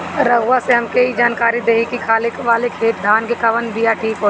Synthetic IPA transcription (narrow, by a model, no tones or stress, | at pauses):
ɾɐɡʋaseɦɐmkeɦid͡ʒaːnkaːɾid̪eːɦikikʰaːlɪkʋaːlekʰeːt̪̚d̪ʱaːnkekɐʋənbijaʈʰiːkɦoː